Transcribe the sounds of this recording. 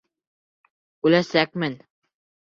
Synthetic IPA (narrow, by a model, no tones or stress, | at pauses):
ʉlæsæk̚mɘn